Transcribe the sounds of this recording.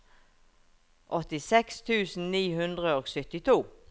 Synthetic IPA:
ʔɔt̪ɪsɛkst̪ʰʉːsn̩niːɦʉnd̪ʁəoːɡsʏt̪ɪt̪ʰuː

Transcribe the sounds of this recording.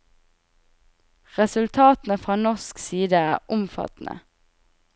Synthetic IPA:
ʁɛsʉlt̪ʰɑːt̪n̩əfʁɑːnɔsksiːd̪əæːʊmfɑ̰t̪n̩ʔə̰

